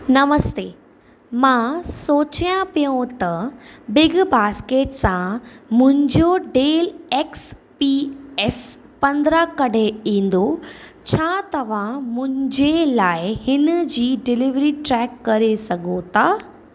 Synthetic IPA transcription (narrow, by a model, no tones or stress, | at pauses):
nɐməst̪eː | mãːsoːt͡ɕijãpijõt̪ɐbɪɡbaːskeːʈsãmʊ̃ɦɪ̃ɲd͡ʑoɖeːleːkspiɛs | pɐ̃nd̪ɾakɐɖ̤ʱeĩːn̆d̪ot͡ɕʰaːt̪ɐʋ̤ãmʊ̃ɦɪ̃ɲd͡ʑelaːɪhɪnəd͡ʑiːɖɪlɪʋɾiʈɾɛːkːɐɾesɐɡʱot̪ʰaː